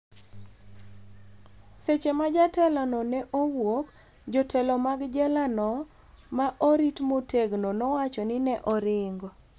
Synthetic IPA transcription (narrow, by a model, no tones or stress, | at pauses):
set͡ʃemad͡ʒatɛlanɔnɛʔowok | d͡ʒɔtʰɛlɔmaɡd͡ʒɛlanɔ | maʔoɾitmotʰeɡnonɔwat͡ʃɔnɪnɛʔɔɾɪŋɡɔ